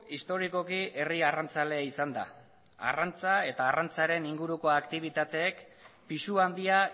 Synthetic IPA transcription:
ist̪o̞ɾiko̞kiʔe̞riarant͡sale̞aisand̪a̰ | a̰rant͡sae̞t̪aːrant͡saɾe̞niŋɡuɾuko̞akt̪iβ̞it̪at̪e̞ːk | pisuand̪ia

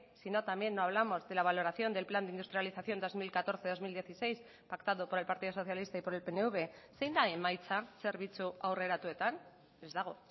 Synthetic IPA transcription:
sino̞t̪ambje̞nːo̞aβ̞lamo̞zðe̞laβ̞alo̞ɾaθjo̞nd̪e̞lpland̪eind̪ust̪ɾjaliθaθjo̞nd̪o̞zmilkat̪o̞ɾθe̞ðo̞zmild̪je̞θise̞js | pakt̪aðopo̞ɾe̞lpaɾt̪iðoso̞θjalist̪aipo̞ɾe̞lpe̞neuβe̞sejnd̪aemajt͡sase̞ɾβit͡suawre̞ɾat̪ue̞t̪an | ezðaɣ̞o̞

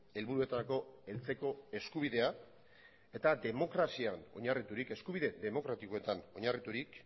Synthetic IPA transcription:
e̞lβuɾue̞t̪ako̞e̞lt͡se̞ko̞e̞skuβ̞iðe̞a | e̞t̪ad̪e̞mo̞kɾasiano̞ɲarit̪uɾike̞skuβ̞iðe̞ðe̞mo̞kɾat̪iko̞e̞t̪ano̞ɲarit̪uɾik

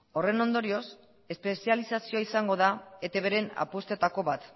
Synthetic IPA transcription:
o̞re̞no̞nd̪o̞ɾio̞s | e̞spe̞sialisasio̞aisaŋɡo̞ðaet̪e̞βe̞ɾe̞na̰post̪et̪ako̞βat̪

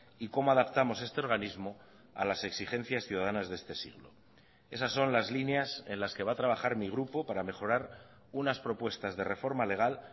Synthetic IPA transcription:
iko̞moaðapt̪amo̞se̞st̪e̞oɾɣ̞anizmo̞ | a̰lase̞ksixẽ̞n̟θjasθjuðaðanazðe̞st̪e̞sḭɣlo̞̰ | e̞sasːo̞nlazlinease̞nlaske̞βat̪ɾaβ̞aχaɾmiɣ̞ɾupo̞paɾame̞χo̞ɾaɾ | unaspɾo̞pwe̞st̪azðe̞re̞fo̞ɾmale̞ɣ̞al

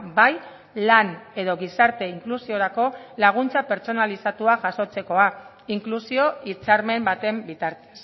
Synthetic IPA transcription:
baj | lane̞ðo̞ɣisaɾt̪e̞iŋklusio̞ɾako̞laɣ̞unt͡sape̞ɾt͡so̞nalisat̪uaʝaso̞t͡se̞ko̞a | iŋklusio̞it͡saɾme̞mbat̪e̞mbit̪aɾt̪e̥s

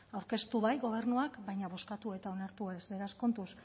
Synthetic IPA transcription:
awɾke̞st̪uβajɣo̞β̞e̞ɾnuakbajɲaβo̞skat̪ue̞t̪ao̞naɾt̪ue̞zβeɾasko̞nt̪us

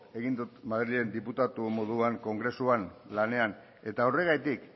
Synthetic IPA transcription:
e̞ɣind̪ut̪maðɾilie̞nd̪iput̪at̪umo̞ðuaŋko̞ŋɡɾe̞suanlane̞an | e̞t̪aore̞ɣ̞ajt̪ik

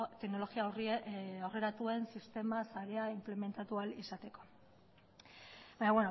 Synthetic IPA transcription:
t̪e̞kno̞lo̞ɣiaoriore̞ɾat̪ue̞nsist̪e̞masaɾe̞aimple̞me̞nt̪at̪ualisat̪e̞ko̞̥ | baɲaβweno

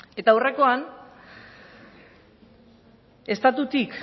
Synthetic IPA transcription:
e̞t̪awre̞ko̞an | e̞st̪at̪ut̪ik

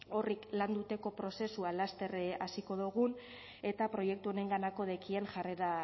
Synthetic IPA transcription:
o̞rikland̪ut̪e̞ko̞pɾo̞se̞sualast̪e̞reasiko̞ðuɣ̞un | e̞t̪apɾo̞je̞k̚t̪uone̞ŋɡanako̞ð̞ekie̞ŋʝareɾa

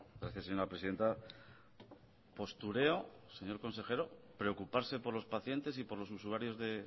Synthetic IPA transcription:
ɡɾaθjaseɲo̞ɾapɾeiðe̞nt̪a | po̞st̪uɾe̞ose̞ɲo̞ɾko̞nse̞xe̞ɾo̞pɾe̞o̞kupaɾse̞po̞ɾlo̞spaθje̞nt̪e̞s̬ipo̞ɾlo̞susuaɾjo̞zðe̞

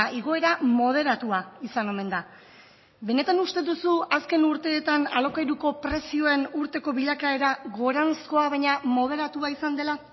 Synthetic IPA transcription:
ʔiɣ̞o̞e̞ɾamo̞ð̞e̞ɾat̪uaisano̞me̞nd̪a | be̞ne̞t̪anust̪e̞ðusuaske̞nuɾt̪e̞ːt̪analo̞kajɾuko̞pɾe̞sio̞e̞nuɾt̪e̞ko̞βiʎakae̞ɾaɣo̞ɾansko̞aβaɲamo̞ð̞e̞ɾat̪uaisand̪e̞la

